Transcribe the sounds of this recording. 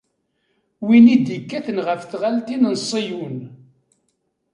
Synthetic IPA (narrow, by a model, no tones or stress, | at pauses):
winid̪ikːæθənʁəfθʁalt̪inənsˤːijun